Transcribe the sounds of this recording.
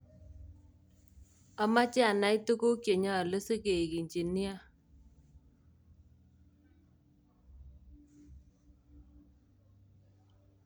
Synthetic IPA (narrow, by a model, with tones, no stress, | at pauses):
a˦ma˦t͡ʃɛ˦a˨na˨˦i˦tu˦ko˦kje˨ɲa˦˨lə˦sə˦ke˨ki˨ɲt͡ʃi˨ni˦a˦